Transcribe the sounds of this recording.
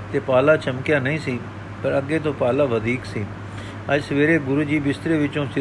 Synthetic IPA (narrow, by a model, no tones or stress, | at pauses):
t̪eːpaːlaːt͡ʃəmkjaːnəĩːsiː | pəɾəɡːeːt̪õːpaːlaːʋəd̪ʱiːksiː | əd͡ʒsəʋeːɾeːbʊɾuːd͡ʒiːbɪst̪ɾeːʋɪt͡ʃõːsɪ